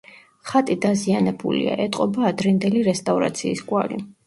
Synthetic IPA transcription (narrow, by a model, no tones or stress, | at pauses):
χat̪ʼid̪azianɛbṵlḭa̰ʔɛt̪ʼqʼɔbaːd̪ɾɛnd̪ɛliɾɛst̪ʼavɾa̰t̪sʰiːsɡʼwalḭ